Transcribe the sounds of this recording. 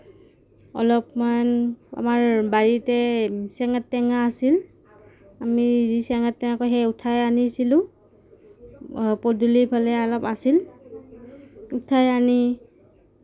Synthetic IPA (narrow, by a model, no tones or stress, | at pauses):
ɔ̰lɔpmana̰maɹbaɹitɛsɛŋɛtːɛŋaːsil | amizisɛŋɛtːɛŋakɔjɦɛjutʰajanisilʊ̃ | pɔdulipʰalɛalɔpasil | utʰajani